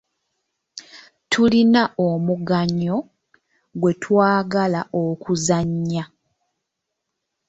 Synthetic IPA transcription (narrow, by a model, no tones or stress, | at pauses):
tʰulinaʔomuɡaɲːo̞ | ɡwe̞tʰwaːɡalaʔokuzaɲːa